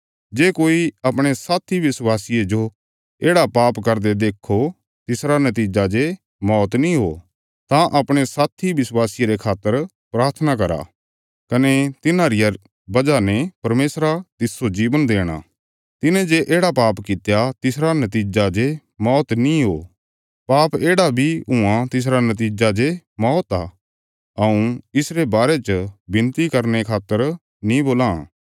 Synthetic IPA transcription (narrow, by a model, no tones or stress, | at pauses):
d͡ʒeːkoːiɐpɽ̃esaːt̪ʰiʋɪswaːsijed͡ʒo | eːɽapaːpkɐɾd̪ed̪eːkʰːo | t̪ɪsɾanɐt̪̬iːd͡ʒad͡ʒe | mɔːt̪nĩɦo | t̪ãʔɐpɽ̃esaːt̪ʰibɪswaːsɪjeɾekʰaːt̪ːəɾ | pɾaːɾt̪ʰnakɐɾa̰ | kɐnet̪ɪnãɾɪja | bɐd͡ʒanɛpɐɾmeːsɾat̪ɪsod͡ʒiːʋənd̪eːɽ̃a̰ | t̪ɪnɛ̃d͡ʒeʔeːɽapaːpkɪt̪jat̪ɪsɾanɐt̪̬iːd͡ʒad͡ʒe | mɔːt̪nĩɦo̰ː | paːpeːɽabʱiɦʊãt̪ɪs̬ɾanɐt̪̬iːd͡ʒad͡ʒemɔːt̪a | ɐũɪsɾebaːɾet͡ʃbɪnt̪ikɐɾnekʰaːt̪ːəɾ | nĩboːlã